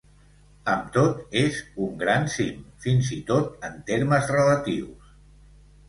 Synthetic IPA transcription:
əmt̪ot̪ezuŋɡɾansimfinzit̪ot̪ənt̪eɾməzrələt̪ḭws

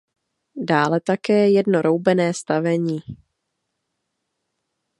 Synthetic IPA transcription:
daːlɛt̪akɛːjɛdno̞ɾowbɛnɛːst̪avɛɲiː

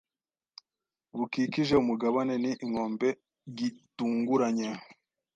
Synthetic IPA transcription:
βukiciʒeumuɡaβane̞niʔiŋo̞ːmbe̞ | ɟituːŋɡuɾaɲe

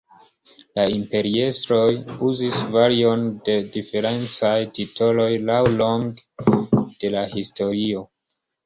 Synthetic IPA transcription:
laimpe̞ɾiestɾo̞juzisvaɾio̞nde̞dife̞ɾe̞nt͡sajtitʰo̞lo̞jlawloŋɡ | d̥e̞lahisto̞ɾio̞

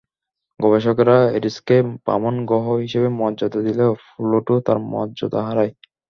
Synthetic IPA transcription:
ɡɔbeʃokɾaeɾiskepa̰monɡɔɦoɦiʃebemɔd̪ʑot̪ad̪ilefuloʈot̪aɾmɔ̰dd͡ʑot̪aɦaɾaj

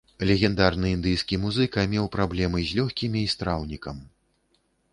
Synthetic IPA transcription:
lʲɛɣʲɛnd̪arnɨind̪ɨjskʲimuzɨkɐmʲɛwpɾablʲɛmɨzʲlʲɔxʲkʲimʲiːst̪ɾawnʲikɐm

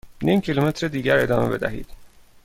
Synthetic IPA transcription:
niːmcʰilumet̪ʰɾed̪iːɟæɾe̞d̪ɒːmebe̞d̪æ̰ɦḭːd̪̥

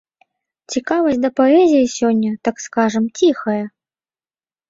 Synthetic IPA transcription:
t͡sʲikavɐsʲtʲd̪ɐpaɛzʲijisʲɔnʲːɐt̪akskaʐɨmt͡sʲixɐjɐ

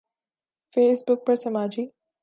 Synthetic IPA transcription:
feːsbʊk̚pəɾsəmaːd͡ʒi

